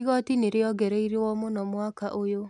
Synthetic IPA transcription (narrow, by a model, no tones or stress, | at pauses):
ɣɔtineɾeɔɡɛɾeiɾewɔmonɔmwakaʔojo